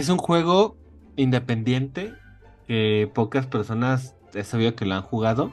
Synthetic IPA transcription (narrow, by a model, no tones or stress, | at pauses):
es̬uŋxwe̞ɣ̞o̞ | ind̪e̞pe̞nd̪je̞nt̪e̞ | ke̞po̞kaspe̞ɾso̞nas | esaβioke̞loaŋxuɣaðo̞